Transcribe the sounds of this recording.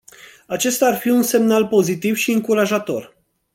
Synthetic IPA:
at͡ʃe̞st̪aːrfiunse̞mnalpo̞zit̪ivʃiɨŋkuɾaʒat̪o̞̰r

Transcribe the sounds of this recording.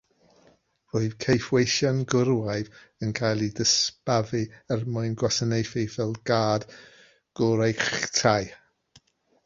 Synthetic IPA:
rʊɨðkʰejfwejʃɔnɡʊɾwaɨvənkʰajlˠidəspavɨɛrmʊɨnɡwasənejfɪvɛlˠɡaːd̥ | ɡ̥ʊɾajχtʰaj

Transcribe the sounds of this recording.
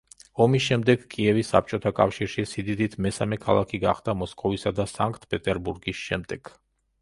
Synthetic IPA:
ɔmisʃɛmd̪ɛɡkʼiɛvisːa̰p̚ʰt͡ʃʼɔt̪ʰakʼafʃiɾʃisid̪id̪it̪ʰmɛsamɛkʰalˠakʰiɡaχd̪amɔskʼɔvisad̪asaŋkʼt̪ʰpʼɛt̪ʼɛɾbuɾɡisʃɛmd̪ɛɡ̥

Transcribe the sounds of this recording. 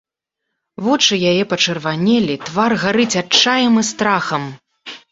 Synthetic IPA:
vɔt͡ʂɨjajɛpɐt͡ʂɨrvanʲɛlʲit̪varɣaɾɨt͡sʲat͡ʂːajɛmɨst̪ɾaxɐm

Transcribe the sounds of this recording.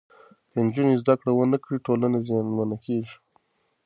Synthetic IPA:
d̪̥əɪnd͡ʒunezd̪akɽawənakɽiʈolanezɑnmanakeʐi̥

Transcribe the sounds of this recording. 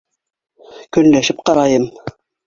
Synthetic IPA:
kɵ̆nlæʃɘp̚qɑɾɑjɤm

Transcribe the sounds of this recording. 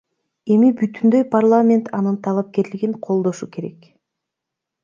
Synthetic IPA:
e̞mibyt̪ynd̪ø̞jpʰarlˠamʲe̞nt̪ʰɑnɯnt̪ʰɑlˠap̚ke̞ɾliɡiŋqʰo̞lˠd̪o̞ʃuke̞ɾe̞̰k

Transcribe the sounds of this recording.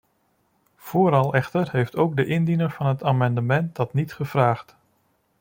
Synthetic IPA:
v̥oːɾɑlˠɛχtərhejftowɡ̚dəʔɪndinəɹvɑnɦətaːmɑndəmɛnt̚dɑtnitχəv̥raːχt

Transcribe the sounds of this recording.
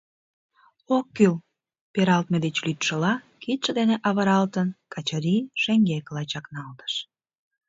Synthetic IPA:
okːyl | peɾɑlt̪̚med̪et͡ɕlyt̪ʃə̆lɑ | kit̪ʃə̆d̪eneʔɑβəɾɑlt̪ənkɑt͡ɕəɾiʃeŋɡeklɑt͡ɕɑknɑlt̪ə̥ʃ

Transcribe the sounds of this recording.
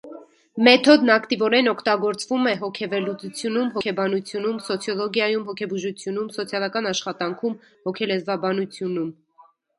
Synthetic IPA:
mɛt̪ʰɔd̪nɑkt̪ivɔɾɛnɔkʰt̪ɑɡɔɾt͡svumɛɦɔkʰɛvɛlːut͡sut͡sʰjunumɦɔkʰɛbɑnut͡sʰjunumsɔt͡sʰjɔlɔɡjɑjumɦɔkʰɛbuʒut͡sʰjunumsɔt͡sʰjɑlɑkɑnɑʃχɑt̪ɑŋkʰum | hɔkʰɛlɛzvɑbɑnut͡sʰjunum

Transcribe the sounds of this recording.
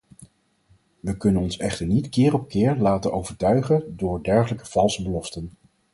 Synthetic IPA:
ʋəkɵnənɔnsɛχtəɹnitkɪːɾɔp̚kɪːɹlaːtənowvəɹtœɥχədʊːɹdɛɹχələkəv̥ɑlˠsəbəlɔftən

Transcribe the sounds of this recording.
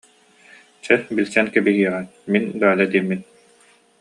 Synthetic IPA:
t͡ɕɛbilʲsɛnkɛbiɦiɛʁɛnminb̪aːlɛd̪iːmːin

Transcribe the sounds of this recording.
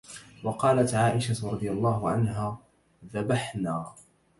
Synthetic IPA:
wɑqɑːlat̪ʕaːʔɪʃat̪ɾˤɑd̪ˤɨjalˤːɑːɦʊʕa̰nɦaː | ðabaħnaː

